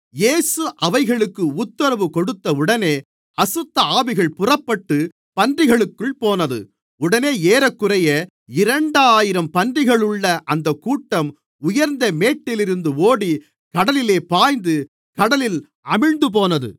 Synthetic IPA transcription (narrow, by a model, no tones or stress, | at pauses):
jeːsɯʔɐʋɐɪɣɐɭɯkːɯʊt̪ːɐɾɐʋɯkɔɽɯt̪ːɐʊɽɐneː | ɐsɯt̪ːɐaːbɪɣɐɭpʊrɐpːɐʈːɯ | pɐndrɪɣɐɭɯkːɯɭpoːnɐðɯ̰ | ʊɽɐneːeːɾɐkːɯrɐjɐ | ɪɾɐɳɖaːjɪɾɐmpɐndrɪɣɐɭɯɭːɐʔɐnd̪ɐkːuːʈːɐm | ʊjɐɾnd̪ɐmeːʈːɪlɪɾɯnd̪ɯoːɽi | kɐɽɐlɪleːpaːjnd̪ɯ | kɐɽɐlɪl | ɐmɪɻnd̪ɯp̬oːnɐðɯ̰